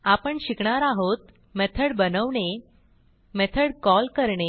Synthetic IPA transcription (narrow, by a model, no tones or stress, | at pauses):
apəɳɕikɳaɾaɦot̪ | mɛt̪ʰəɽbənəʋɳe | mɛt̪ʰəɽkɔlkəɾɳe